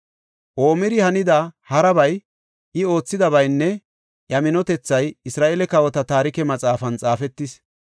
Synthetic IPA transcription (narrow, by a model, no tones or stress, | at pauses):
ʔo̞ːmɪɾɪhɐnɪd̪ɐhɐɾɐbɐj | ʔɪo̞ːt͡sːɪd̪ɐbɐjnːɛ | jɐmɪnɔt̪ɛt͡sːɐjɪsɾaːʔelɛkɐwɔt̪ɐt̪aːɾɪkɛmɐt͡sʼaːfɐnt͡sʼaːfɛt̪ːɪs